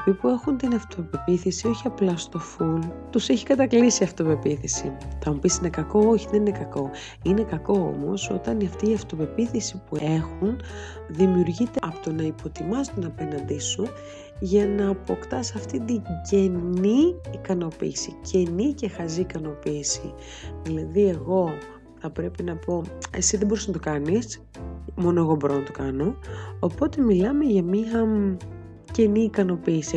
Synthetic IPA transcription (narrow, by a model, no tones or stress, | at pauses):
epipue̞xunt̪inɐft̪o̞pe̞piθisio̞çiɐplɐst̪o̞fult̪useçi̥kɐt̪ɐklisiɐft̪o̞pe̞piθisit̪ɐmupisine̞kɐko̞oçiðe̞ninekɐko̞ | ine̞kɐko̞o̰mo̞̰so̞t̪ɐniɐft̪iːɐft̪o̞pe̞piθisipue̞xun | ðimiuɾʝit̪eɐpot̪o̞nɐipo̞t̪imɐst̪onɐpe̞nɐnd̪isu | ʝɐnɐːpo̞kt̪ɐsɐft̪id̪iɟe̞niːkɐno̞pḭːsicʰe̞nice̞xɐziːkɐno̞piːsḭ | ðilɐðie̞ɣo̞ | θɐpɾe̞pinɐpo̞e̞̰siðebo̞ɾisznɐt̪o̞kɐnis | mo̞no̞e̞ɣo̞bo̞ɾo̞nɐt̪o̞kɐno̞ːpo̞t̪e̞milɐme̞ʝɐmiɐ | ce̞niːkɐno̞piːsi